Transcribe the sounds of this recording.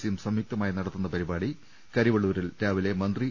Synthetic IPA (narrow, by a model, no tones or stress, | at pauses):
sijumsɐmjuk̚t̪ɐmaːjinɐɽɐt̪ːunːɐpɐɾibaːɽi | kɐɾiʋɐɭːuʋɐɾilɾaːʋile̞mɐnd̪ri